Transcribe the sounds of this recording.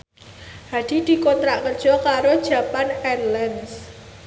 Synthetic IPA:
had̪̥i̤d̪̥i̤kɔnt̪ɾaʔkərd̥ʒ̥ɔ̤kaɾod̥ʒ̥ä̤panɛnlɛns

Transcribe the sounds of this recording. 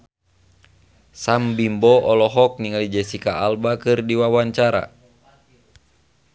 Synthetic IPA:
sambimbɔɔlɔɦɔk̚niŋalid͡ʒɛsikaːlbakɨrdiwawaɲt͡ʃaɾa̰

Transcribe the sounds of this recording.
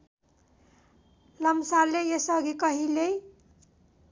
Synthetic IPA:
lʌmsalejesʌɡikʌɦile

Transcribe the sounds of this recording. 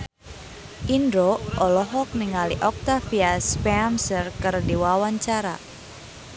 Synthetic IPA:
ʔindɾoʔɔlɔɦɔk̚niŋaliʔɔk̚t̪afiaspɛamsərkɨrdiwawaɲt͡ʃaɾa̰

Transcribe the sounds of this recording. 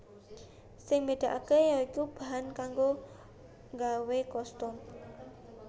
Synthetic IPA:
sɪŋmed̪̥a̤ʔakejaikub̥a̤ɦankaŋɡo | ŋɡawekɔst̪ɔm

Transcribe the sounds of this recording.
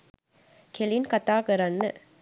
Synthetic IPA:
kɛlɪnkɐt̪ːaːkɐɾɐnːɯ

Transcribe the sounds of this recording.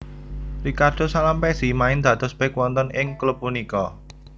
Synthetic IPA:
rikard̪̥o̤salampɛsimaɪnd̪̥ä̤t̪ɔsb̥ekwɔnt̪ɔnɪŋklup̚ːunikɔ

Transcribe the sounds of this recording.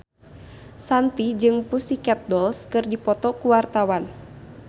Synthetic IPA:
sant̪id͡ʒɨŋpusikɛt̪̚dɔlskɨrdipɔt̪ɔkuwart̪awan

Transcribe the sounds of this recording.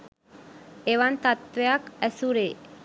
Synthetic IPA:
eβant̪at̪eakesuɾe

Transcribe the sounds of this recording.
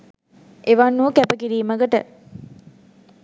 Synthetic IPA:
eʋɐnːuːkæpəkiɾiːməɡəʈə

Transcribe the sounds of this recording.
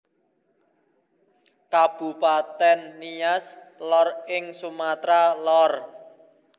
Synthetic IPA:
kab̥ṳpat̪ɛnːijaslɔrɪŋsumat̪ɾalɔr

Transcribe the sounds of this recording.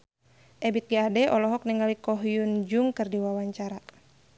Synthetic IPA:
ʔɛbit̪̚ɡaadɛʔɔlɔɦɔk̚niŋalikɔɦjund͡ʒuŋkɨrdiwawaɲt͡ʃaɾa

